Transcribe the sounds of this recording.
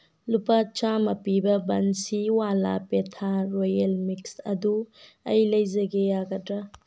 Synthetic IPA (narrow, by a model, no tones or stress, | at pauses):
lupat͡ʃamɐpibɐbɐnsiwala̰petʰaɾojelmiksɐ̰du | ɐ̰jlɐjzɐɡejaɡɐtɾa